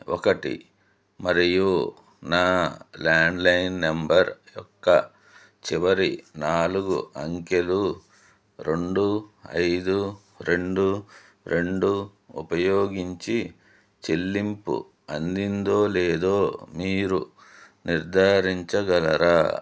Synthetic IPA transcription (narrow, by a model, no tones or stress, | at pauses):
ɔ̰kɐʈḭ | mɐɾiju | naːlaːɳɖlɐjnːembɐɾjɔkːɐ̰ | t͡ʃiʋɐɾḭnaːluɡṵɐŋke̞lu | ɾeɳɖuɐ̰jd̪u | ɾe̞ɳɖu | ɾe̞ɳɖu | upɐjoːɡiɲt͡ʃi | t͡ʃelːimpṵ | ɐnd̪ind̪oːleːd̪o̞ːmiːɾu | niɾd̪ʱaːɾiɲt͡ʃɐɡɐlɐɾaː